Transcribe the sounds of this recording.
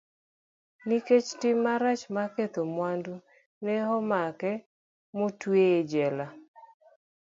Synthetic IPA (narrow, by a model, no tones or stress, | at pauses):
niket͡ʃtɪmːaɾat͡ʃmaket̪omwandu | nɛɦɔmakɛ | motweed͡ʒɛla